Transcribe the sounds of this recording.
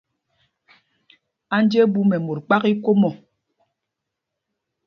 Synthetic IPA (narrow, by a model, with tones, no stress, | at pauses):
a˦n˦d͡ʒe˦bu˦mɛ˨mo˨t̚k͡pa˦ki˦ko˦mɔ˨